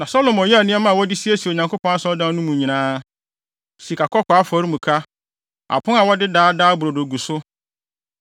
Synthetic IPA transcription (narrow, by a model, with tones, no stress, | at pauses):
nã˨sɔ˦lo˨mɔ˨jɛ˦a˨nɪ̃˦ɛ˦mã˦˨wɔ˦dɪ˦si˦e˦si˨o˨ɲã˨ŋkʰʷo˦pʰɔ̃˦na˦sɔ˦dã˦nʊ̃˦mũ˨ɲĩ˨nãː˦ | si˨kʰa˨kʰɔ˦kʷa˦fɔ˨˦ɾi˦mũ˨kʰa˦ | a̰˨pʰʊ̃˦a˨wɔ˦dɪ˦daː˦daː˦bʊ˨ɾo˨do˨ɡu˨sʊ˦